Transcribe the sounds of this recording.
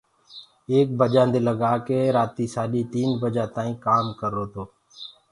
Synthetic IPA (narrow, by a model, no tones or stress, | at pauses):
eːk̚bəd͡ʒãːnd̪eːləɡaːkeːɾaːt̪iːsaːɗiːt̪iːnbəd͡ʒaːt̪ãːĩːkaːmkəɾːoːt̪oː